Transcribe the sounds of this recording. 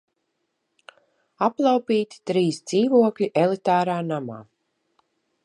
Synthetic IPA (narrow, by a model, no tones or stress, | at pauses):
aplˠawpiːt̪i̥t̪ɾiːsd̪z̥iːvuɔklʲiʔɛlˠit̪aːɾaːnama̰ː